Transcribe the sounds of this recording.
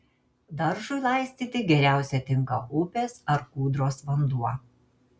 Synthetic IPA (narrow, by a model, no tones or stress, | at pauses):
d̪ɐɾʒʊɪlˠɑˑɪsʲt̪ʲiːt̪ʲɪɡʲɛɾʲæˑʊsʲɛt̪ʲɪŋˑkɐʊpʲeːsɐɾkuːd̪ɾoːsʋɐnd̪uɔ